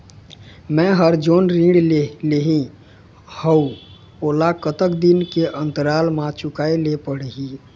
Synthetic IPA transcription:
mɛ̃ɦəɾd͡ʒoːnɾĩɽleɦĩ | həu | olakət̪əkd̪inkeʔənt̪əɾalmãt͡ʃʊkaːelepəɽɦi

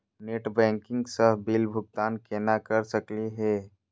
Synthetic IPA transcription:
neːʈbɛ̃ːŋkɪ̃ŋɡsəɦbilbʱʊɡ̚t̪aːnkeːnakəɾsəkliɦɛ

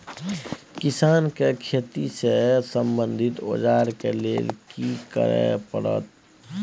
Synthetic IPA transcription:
kɪsaːnkekʰeːt̪isesə̃mbə̃nd̪ʱɪt̪o̰ːd͡ʒaːɾkeleːlkikə̰ɾḛpəɽə̰t̪

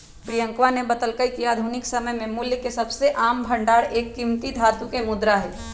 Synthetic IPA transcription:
pɾijə̃ŋkʋanebɐt̪əlkəikijad̪ʱunɪksəɐməjmẽmʊljəkesɐbseʔaːmbʱɐ̃ɳɖaːɾeːkːimt̪id̪ʱaːt̪ũkemʊd̪ɾaɦɛː

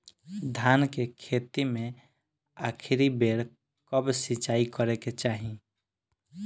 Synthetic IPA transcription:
d̪ʱankekʰet̪imẽ | akʰɾibeɽ | kəbsit͡ʃaikəɾɛket͡ʃaɦĩ

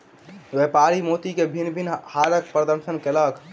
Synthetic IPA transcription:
ʋepaɾimot̪ikebʱinbʱinhaɾək̚pɾəd̪əɾʃənkelək

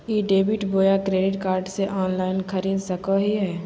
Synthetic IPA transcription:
jeːɖeːbɪʈboːjakɾeːɖɪʈkaːɾɖseʔɔːnlaːɪnxʰɐɾiːd̪sɐkaɦiɦɛː

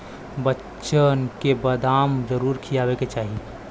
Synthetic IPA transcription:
bətː | ʃənkebəd̪aːmd͡ʒəɾuːɾkʰijaːbeket͡ʃaːɦi

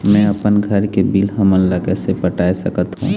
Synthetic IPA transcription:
mɛ̃ɐpənɡʱəɾkebilɦəməllakɛsepəʈaːesəkət̪ɦṵ̃

